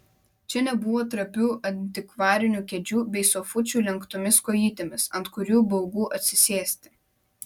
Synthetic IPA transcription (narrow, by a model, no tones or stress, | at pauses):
t͡ʃʲɛnʲɛbʊʋoːt̪ɾɐpʲuːʔɐnʲt̪ʲɪkʋɑːɾʲɪnʲuːkʲɛd͡ʒʲuːbʲɛɪsɔfʊt͡ʃʲuːlʲɛŋkt̪ʊmʲɪskɔːjiːt̪ʲemʲɪsɐnt̪kʊɾʲuːbɐʊɡuːʔɐt̪ʲsʲɪsʲeːsʲt̪ʲɪ̥